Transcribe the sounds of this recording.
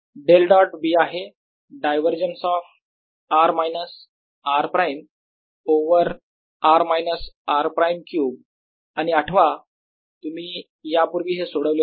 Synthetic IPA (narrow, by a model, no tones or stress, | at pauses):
ɖelɖɔʈbiːaɦe | ɖajʋəɾd͡ʑənsɔf | aɾmajnəs | aɾpɾajm | oʋəɾ | aɾmajnəsaɾpɾajmkjuːb̚ | añiaʈʰʋa | t̪um̤iː | japuɾʋiːɦesoɽəʋljo